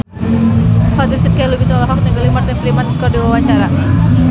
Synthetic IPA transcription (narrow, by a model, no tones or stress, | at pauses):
hɔd̪ilsɪt̪̚kajlubisɔlaɦɔk̚t̪iŋɡalimart̪ɪnflimankɔrdiwawaɲt͡ʃaɾa